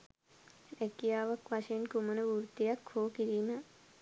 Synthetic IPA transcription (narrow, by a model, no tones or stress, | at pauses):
ɛkijaːʋɐkʋaʃɐjinkumənəʋuɾt̪ijakhoːkiɾiːnə